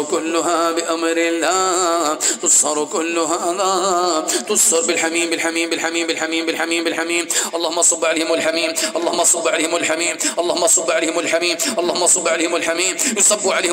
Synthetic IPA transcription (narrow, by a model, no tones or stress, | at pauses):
kʊlːʊɦabɪʔamɾɪlːa | t̪ʊsˤhɑɾˤkʊlːʊɦaða | t̪ʊsˤɑɾˤbɪlħamiːmbɪlħamiːmbɪlħamiːmbɪlħamiːmbɪlħamiːmbɪlħamiːmʔɑlˤːɑhʊmːaʔɑsˤɑbːʕalejhɪmɪlħamiːmʔɑlˤːɑːhʊmːɑʔɑsˤɑbːʕalːhɪmalħamiːmʔɑlˤːɑːhʊmːɑʔsˤɑbːʕalejːhɪmɪlħamiːmʔɑlˤːɑhʊmːɑʔɑsˤɑbːʕaleːhɪmɪlħamiːmjɨsˤɑbːuʕalejh